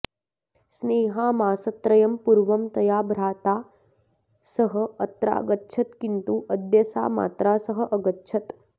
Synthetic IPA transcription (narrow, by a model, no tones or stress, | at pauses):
sneːɦaːmaːsɐt̪ɾɐjɐmpuɾʋɐmt̪ɐjaːbʱɾaːt̪aː | sɐɦɐ̆ɐt̪ɾa̰ːɡɐtːʃʰɐt̪kint̪uːʔɐd̪jɐsa̰ːma̰ːt̪ɾaːsɐɦɐ̆ʔɐɡɐtːʃʰɐt̪